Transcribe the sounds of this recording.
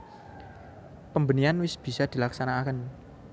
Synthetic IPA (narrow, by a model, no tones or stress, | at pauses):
pəmbənianwɪsb̥i̤sad̪̥i̤laksanakən